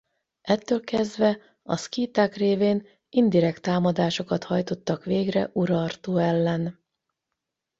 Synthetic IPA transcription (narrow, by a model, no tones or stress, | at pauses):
ʔɛt̪ːøːlkɛzd̪vɛ | ɒ̰skiːt̪aːkreːveːn | ind̪iɾɛkt̪aːmɒd̪aːʃo̞kɒt̪hɒjt̪o̞t̪ːɒkʋeːɡrɛ̰ʔuɾɒrt̪oːɛlːɛn